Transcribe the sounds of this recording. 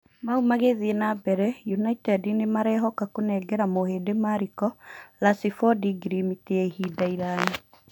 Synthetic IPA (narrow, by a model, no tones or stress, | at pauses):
maumaɣeðienabɛɾɛjunaitɛdinemaɾɛɦɔkakonɛɡɛɾamoheːdemaɾikɔlasifɔdiɡɾimiteɛhidaiɾaːɲi